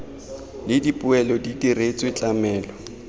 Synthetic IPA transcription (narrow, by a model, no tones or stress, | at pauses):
lɪdipʼʊɛlɔdidiret͡sʼwɪt͡ɬʼamɛːlɔ